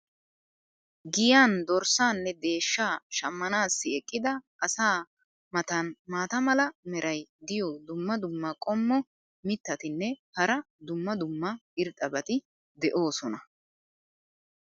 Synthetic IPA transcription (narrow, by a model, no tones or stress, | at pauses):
ɡɪjaːnd̪ɔɾsaːnːɛd̪e̞ːʃːaːʃɐmːɐnaːsːɪɛkʼːɪd̪ɐ | ɐsaː | mɐt̪ɐnmaːt̪ɐmɐlɐmɛɾɐjd̪ɪjɔd̪ʊmːɐd̪ʊmːɐkʼɔmːɔ | mɪt̪ːɐt̪ɪnːɛhɐɾɐ | d̪ʊmːɐd̪ʊmːɐɪɾt̪ʼːɐbɐt̪ɪ | d̪ɛʔo̞ːsɔnɐ